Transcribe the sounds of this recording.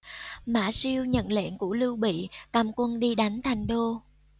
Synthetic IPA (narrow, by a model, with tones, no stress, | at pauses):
ma̰ː˧˩˥si˧əwɲə̰˧˨nlḛ˧˨nku˧˩əlɨ˧wɓḭ˧˨kaː˧mkwə˧nɗi˧ɗa˨˦jŋ̟t̪ʰa˨˩jŋ̟ɗo˧